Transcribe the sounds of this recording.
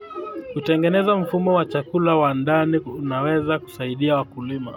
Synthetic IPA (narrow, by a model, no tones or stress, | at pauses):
kutɛŋɡɛnɛzam̩fumɔwat͡ʃakulawandaniunawɛzaku̥saiɗiawakulima̰